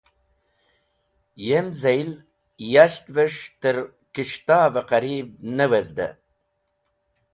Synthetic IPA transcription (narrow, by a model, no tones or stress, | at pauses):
jemzejl | jaʃt̪vəʂt̪əɾ | kiʂt̪ɑːvaqaɾib̚nəwəzd̪ə̰